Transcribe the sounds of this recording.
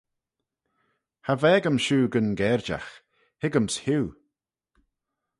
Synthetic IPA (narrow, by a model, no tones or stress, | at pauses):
havɛːɡəmʃuːɡənɡɛɹd͡ʒa̰x | hɪɡəmshuː